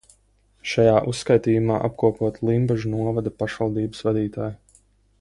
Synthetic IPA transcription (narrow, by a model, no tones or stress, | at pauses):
ʃajaːʔusːkajt̪iːjumaːʔapkuɔpuɔt̪lˠimbɛʒunuɔvad̪apaʃvalˠd̪iːbəsvad̪iːt̪aːj